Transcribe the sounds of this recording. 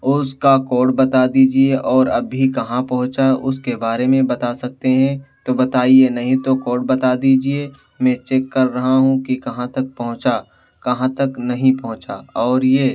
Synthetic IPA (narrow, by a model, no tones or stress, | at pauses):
ʊskakɔːɖbɐt̪ad̪iːd͡ʒieʔɔːɾɐbːʱikɐɦãpɐɦʊ̃t͡ʃaʊskebaːɾemẽbɐt̪asɐk̚t̪eɦɛ̃t̪obɐt̪aːienɐɦĩt̪okoːɖ̚bɐt̪ad̪iːd͡ʒie | mɛ̃t͡ʃeːkːɐɾːɐɦaɦũkikɐɦãt̪ɐk̚pɐɦʊ̃t͡ʃa | kɐɦãt̪ɐknɐɦĩpɐɦʊ̃t͡ʃaɔːɾjeː